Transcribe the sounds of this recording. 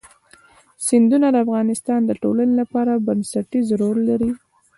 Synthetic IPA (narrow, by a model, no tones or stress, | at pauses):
sɪnd̪unad̪əafɣɑnɪst̪ɑnd̪əʈolanelapɑɾabansaʈizɾolːaɾi